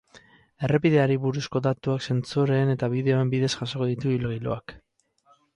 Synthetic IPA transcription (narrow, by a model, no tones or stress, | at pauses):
e̞re̞piðe̞aɾiβuɾusko̞ðat̪uakse̞nt͡suɾe̞ːne̞t̪aβiðe̞o̞e̞mbiðe̞sʝaso̞ko̞ðit̪uilɣilo̰ak